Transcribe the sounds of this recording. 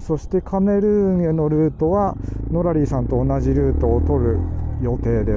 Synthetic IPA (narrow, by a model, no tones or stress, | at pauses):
so̞ɕi̥t̪e̞kʰame̞ɾɯ̟ŋ̃e̞no̞ɾɯːt̪o̞βano̞ɾaɾʲiːsãnt̪o̞ːnaʑiɾɯ̟ːt̪o̞ːt̪o̞ɾɯ̟jo̞t̪e̞ːd̪e